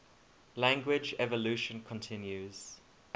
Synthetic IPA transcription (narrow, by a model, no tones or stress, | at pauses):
læ̃ŋɡwɪd͡ʒɛvəluˑʃə̃nkʰɔ̃ntʰɪ̃njuz̥